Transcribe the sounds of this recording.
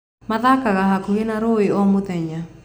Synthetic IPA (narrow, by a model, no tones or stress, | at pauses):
maðakaɣaɦakoɣenaɾoeɔmoðɛɲa